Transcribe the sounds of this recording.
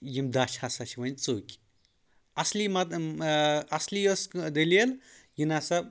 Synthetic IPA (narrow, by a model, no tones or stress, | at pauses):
jimd̪at͡ʃʰasat͡ʃʰiʋɐnʲt͡soːkʲ | ɐslimɐt̪ | ɐsliosd̪ɐleljinasɐb